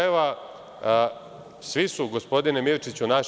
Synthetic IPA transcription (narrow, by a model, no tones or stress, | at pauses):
eʋa | sʋisuɡo̞spo̞d̪inemilt͡ʃit͡ɕunaʃ